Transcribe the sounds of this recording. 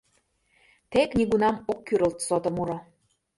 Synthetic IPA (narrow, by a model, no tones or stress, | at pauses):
t̪eknʲiɣunɑmokːyɾə̆lt̪sot̪ə̆muɾo